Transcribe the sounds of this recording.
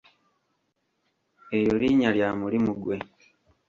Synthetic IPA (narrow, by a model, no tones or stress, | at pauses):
ejoliːɲaljaːmulimuɡwe̞